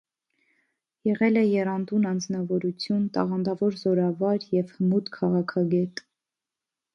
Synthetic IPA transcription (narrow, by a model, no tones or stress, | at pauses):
jɛʁɛlɛjɛrɑnd̪unɑnd͡znɑvɔɾut͡sʰjunt̪ɑ̰ʁɑnd̪ɑvɔɾzɔɾɑvɑɾjɛvhəmut̪kʰɑʁɑkʰɑɡɛt̪